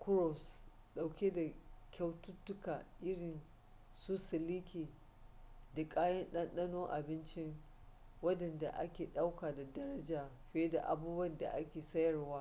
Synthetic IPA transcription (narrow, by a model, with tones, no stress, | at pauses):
kʊ˦ɾɔ˨s | ɗa˨wkʲe˦da˨kʲʰa˦wtʊ˦tːʊ˦ka˨ʔɪ˦ɽɪ˨n | suː˦sɪ˨liː˦kʲeː˨ | da˨kʼaː˦jɐ˦nɗɐ˦nɗɐ˦noː˦ŋʔa˨bɪ˦nt͡ʃɪ˦ŋ | wɐ˦dɐ˨nda̰˨ʔa̰˦kʲeː˨ɗa˦wkaː˨da˨dɐ˦ɾɐ˦d͡ʒaː˨ɸe˦da̰˨ʔa˨buː˦bwɐ˦˨nda̰˨ʔa˦kʲeː˨sɐ˦jɐ˨rwaː˦